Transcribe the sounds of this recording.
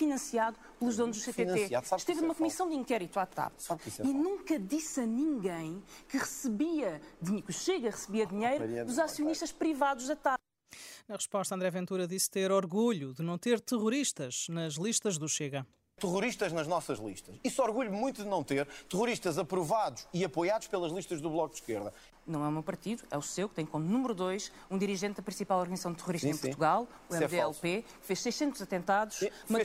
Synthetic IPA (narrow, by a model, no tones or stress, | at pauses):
finɐ̃siaðu | plˠuʒdðonuʒd̪usepeɐ̃eaðsaʃt̪evnumɐkumisɐ̃w̃d̪ĩŋkɛɾit̪uat̪a̰βsaisɛinũŋkɐðisɐnĩŋɡɐ̃j̃kɨʁɨsɨβiɐðiɲkuʃeɣɐʁɨsɨβiɐðiɲejɾuuzasiuniʃt̪ɐʃpɾivaðuʒðɐt̪a | nɐʁɨʃpɔʃt̪ɐ̃nd̪ɾɛvẽnt̪uɾɐðist̪eɾɔɾɣuʎuðɨnɐ̃w̃t̪eɾt̪ɨʁuɾiʃt̪ɐʒ̥nɐʒlˠiʃt̪ɐʒðuʃeɣɐ | t̪ɨʁuɾiʃt̪ɐʒnɐʒnɔsɐʒlˠḭʃt̪ɐʃisɔɾɣuʎumũj̃t̪uðɨnɐ̃w̃t̪eɾt̪ɨʁuɾiʃt̪ɐzɐpɾuvaðuʃiɐpojaðuʃpelˠɐʒlˠiʃt̪ɐʒðuβlˠɔk̚d̪ʃkeɾðɐ | nɐ̃w̃ɛumewpɐɾt̪iðuɛusewkt̪ɐ̃j̃komunumɾuðojʃ | ũd̪iɾiʒẽnt̪̚ðɐpɾĩsipalˠɔɾɣɐnzɐsɐ̃w̃d̪t̪ɨʁuɾiʃt̪ẽpuɾ̃t̪uɣalˠ | uɛɛeɛlˠpekfeʃsɐjʃsẽnt̪uzɐt̪ẽnt̪aðuʃmɐ